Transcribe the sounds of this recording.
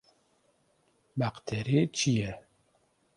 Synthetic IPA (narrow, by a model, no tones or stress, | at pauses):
baqt̪ʰɛɾet͡ʃʰijɛ